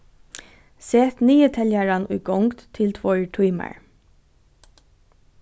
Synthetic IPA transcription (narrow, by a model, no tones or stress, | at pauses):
sɛːt̪niːət̪ʰɛljaɹanʊ̰jɡɔŋkt̪t̪ʰɪlt̪ʰʋɔɹʈʰujma̰ɹ